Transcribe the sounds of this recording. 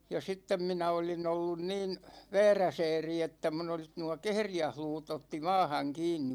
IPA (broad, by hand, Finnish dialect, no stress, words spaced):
jɑ sitːem minæ olin olːun niːn ʋɛːræsɛːri etːæ mun olis nuɒ kehrijæhluːtˑ otːi mɑːhɑŋ kiːnːi